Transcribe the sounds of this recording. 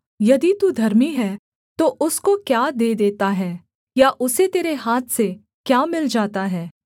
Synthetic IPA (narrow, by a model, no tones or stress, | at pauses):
jɐd̪it̪ud̪ʱɐɾmiɦɛː | t̪oʔʊskokjaːd̪eːd̪eːt̪aɦɛː | jaʔʊset̪eːɾeɦaːt̪ʰse | kjaːmɪld͡ʒaːt̪aɦɛː